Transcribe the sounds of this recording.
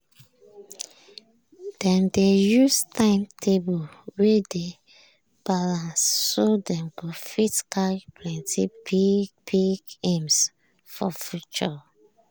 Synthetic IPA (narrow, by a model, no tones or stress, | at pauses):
d̥ɛ̃mdejustʰãɪ̃mtʰebulwede | b̥alãnsːodɛ̃mɡofisi̥kʰalpʰlɛ̃ntibipiɡẽms | fɔ̰fjut͡ʃɔ